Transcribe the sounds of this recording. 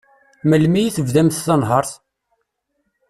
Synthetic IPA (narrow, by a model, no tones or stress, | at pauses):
məlmijiθəvðæmθːɑnɦəɾˤθ